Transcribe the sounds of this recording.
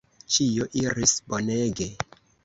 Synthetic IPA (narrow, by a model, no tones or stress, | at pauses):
t͡ʃijoʔiɾisbo̞neɡe̞